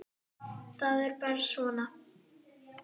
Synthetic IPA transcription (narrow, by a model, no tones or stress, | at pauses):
θaðɛɾpɛɾsɔːna